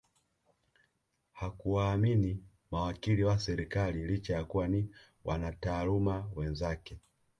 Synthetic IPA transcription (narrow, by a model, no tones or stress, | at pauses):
hakuwaːmini | mawakiliwasɛɾikalilit͡ʃajakuwani | wʔanataːlumawɛnzakɛ